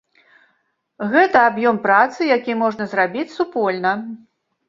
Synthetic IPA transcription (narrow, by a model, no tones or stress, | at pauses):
ɣɛt̪ɐabjɔmpɾat̪sɨjakʲimɔʐnɐzɾabʲit͡sʲsupɔlʲnɐ